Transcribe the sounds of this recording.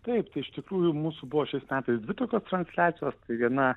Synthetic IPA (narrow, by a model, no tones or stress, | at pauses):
t̪ɐɪpt̪ɐɪɪʃt̪ʲɪkɾuːjʊmuːsʊbʊʋoːʃʲɛɪsmʲæːt̪ɐɪsd̪ʲʋʲɪt̪oːkʲoːst̪ɾɐnʲsʲlʲæːt̪t͡s̪ʲɪjoːst̪ɐɪʋʲiɛnɐ